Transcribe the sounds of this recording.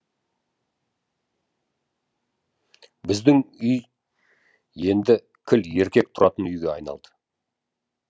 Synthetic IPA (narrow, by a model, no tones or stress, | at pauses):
bɪzd̪ɪŋʏj | je̞nd̪ɪ | kʲʰɪle̞ɾkʲe̞k̚t̪ʰʊɾɑ̰t̪ənʏjɡʲe̞ɑ̰jnɑ̰lˠd̪ə̥